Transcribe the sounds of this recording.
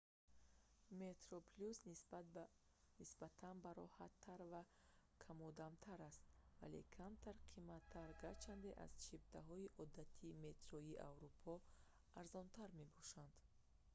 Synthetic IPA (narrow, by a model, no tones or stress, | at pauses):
met̪ɾɔpʰlus | nisbat̪ʰanbaɾɔhat̪ʰːaɾva | kʰamɔd̪amt̪ʰaɾast̪va̰lḛkʰamt̪ʰaɾqʰimat̪ʰːaɾɡat͡ʃʰand̪eʔa̰z̥t͡ʃʰibt̪ʰaɦɔiʔɔd̪at̪ʰime̞t̪ɾɔiʔa̰vɾupʰɔ | aɾzɔnt̪ʰaɾme̞bɔʃand̪̥